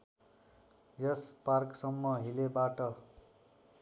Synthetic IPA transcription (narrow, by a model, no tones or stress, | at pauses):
jʌsparksʌmːʌɦilebaʈʌ